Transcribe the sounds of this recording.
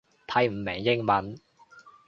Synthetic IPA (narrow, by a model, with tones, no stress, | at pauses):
t̪ʰɐ˨˧jm̩˨˩mɛ˨˩ŋjɪ˥ŋmɐ˨˥n